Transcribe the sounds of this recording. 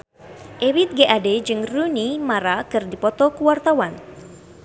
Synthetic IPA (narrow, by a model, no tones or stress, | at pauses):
ʔewit̪̚ɡeʔaded͡ʒɨŋrunimaɾakɨrdipɔt̪ɔkuwart̪awan